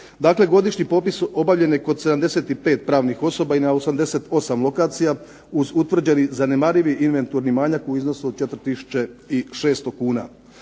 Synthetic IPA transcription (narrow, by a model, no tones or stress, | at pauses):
d̪aːkle̞ɡo̞d̪iʃɲipo̞ːpiso̞baʋlʎe̞njeko̞d̪se̞d̪amd̪e̞se̞ːt̪ipe̞ːt̪̚pɾaːʋnixo̞so̞bainaosamd̪e̞se̞t̪o̞samlˠo̞kaːt̪sija | uzut̪ʋr̩d͡ʑenizanemaɾiʋiinʋe̞nt̪uɾnimaːɲakoizno̞suod̪̚t͡ʃet̪ɾt̪isu̥t͡ʃeiʃe̞ːst̪okuːna̰